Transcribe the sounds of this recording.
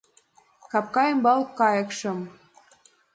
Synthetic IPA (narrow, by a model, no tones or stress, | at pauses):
kɑp̚kɑjəmbɑlˠkɑjɤ̆kʃɤ̆m